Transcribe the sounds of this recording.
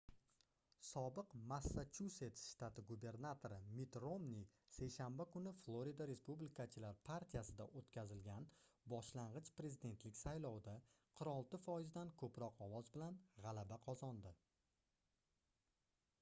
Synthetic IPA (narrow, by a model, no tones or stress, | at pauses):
sɒbɨqmasːat͡ʃʰuse̞t̪sʃt̪at̪ʰɪɡube̞ɾnat̪ʰoɾɪmɪt̪ɾomnise̞jʃanbakʊnɪflˠoɾid̪aɾe̞spublɪkʰat͡ʃʰɪlaɾpʰaɾt̪ʰijasɪd̪aʔot̪kʲazɪlɡʲanbɒʃlaɴʁɨt͡ʃpɾe̞zɪd̪e̞nt̪lɪkʲsajlɒwd̪a | qʰɨɾɒlˠt̪ɪfɒjɪzd̪ankʰɵpɾɒqɒwɒzbɪlanʁɑlabaqʰɒzɒnd̪ɪ